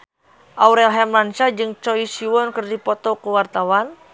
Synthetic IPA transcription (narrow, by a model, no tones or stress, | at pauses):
ʔauɾɛlɦɛmlant͡ʃad͡ʒɨŋt͡ʃɔisiwɔnkɨrdipɔt̪ɔkuwart̪awan